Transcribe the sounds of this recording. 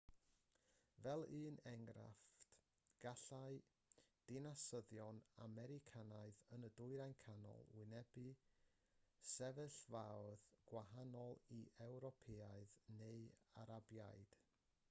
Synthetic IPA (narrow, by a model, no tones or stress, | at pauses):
vɛlˠɨːnɛŋɡɾa̰ft | ɡ̥aɬaɨ | d̥ɪnasəðjɔna̰mɛɾɪkʰanaɨðənədʊɨɾajnkʰanɔ̰lˠwɪnɛbɨ | sɛvɨɬvawðɡ̥waɦanɔlˠiʔɛwɾɔpʰɛaɨðneɨaɾabjajd̥